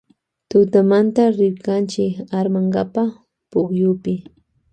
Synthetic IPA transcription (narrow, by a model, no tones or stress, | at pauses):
t̪ʊt̪amant̪aɾɪɾkant͡ʃɪkaɾmaŋɡapa | pʊkjʊpɪ